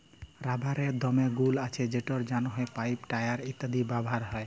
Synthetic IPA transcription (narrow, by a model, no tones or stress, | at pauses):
ɾabʱaɾed̪ɔmeɡulat͡ɕʰed͡ʑeʈɔɾd͡ʒanɔɦɔepajpʈajaɾit̪ːad̪ibabʱaɾɦɔe